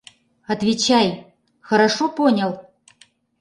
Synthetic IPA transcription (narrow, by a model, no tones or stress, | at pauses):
ɐt̪vʲɪt͡ɕaj | xəɾaʂoponʲəlˠ